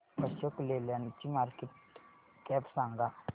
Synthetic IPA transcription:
pɐʃokleljanit͡ʃːimaːɾkeʈ | kɛːpsaŋɡa

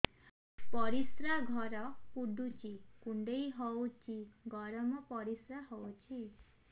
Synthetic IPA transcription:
pɔɾisɾaɡʱɔɾɔpuɖut͡ʃikuɳɖejɦɔwt͡ʃiɡʱɔɾɔmɔpɔɾisɾaɦɔwt͡ʃʰi

